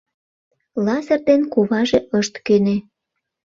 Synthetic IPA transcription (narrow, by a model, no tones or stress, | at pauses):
lɑsə̆rd̪enkuβɑʒeʔəʃt̪køne